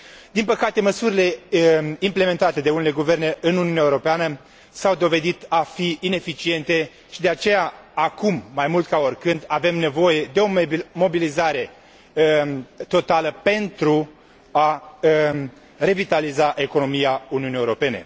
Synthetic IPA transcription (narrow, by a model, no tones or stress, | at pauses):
d̪inpəkat̪e̞məsuɾile̞ | imple̞me̞nt̪at̪e̞d̪e̞unele̞ɡuve̞rne̞ʔɨnuniunʲaeuɾo̞peanə | sawd̪o̞ve̞d̪it̪afiine̞fit͡ʃie̞nt̪e̞ | ʃid̪eat͡ʃe̞jaːkumːajmult̪̚kao̞rkɨnd̪ave̞mne̞vo̞je̞d̪e̞o̞mo̞bilizaɾe̞ | t̪o̞t̪aləpe̞nt̪ɾu | a | re̞vit̪alizaʔe̞ko̞no̞mijauniunijeuɾo̞pe̞ne̞̰